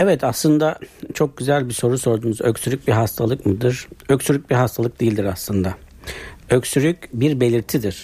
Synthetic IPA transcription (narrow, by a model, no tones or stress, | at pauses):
ɛvɛt̪ʰaslˠɯnd̪at͡ʃʰo̞k̚ɟyzælʲbiso̞ɾuso̞ɾd̪uːmuzøcsyɾyc̚biɦast̪ʰalˠɯkmɯd̪ɯɾ̥øcsyɾyc̚biɦast̪ʰalˠɯk̚d̪ejilʲd̪iɾaslˠɯnd̪a | øcsyɾycbiɾbe̞lʲiɾt̪ʰid̪iɾ̥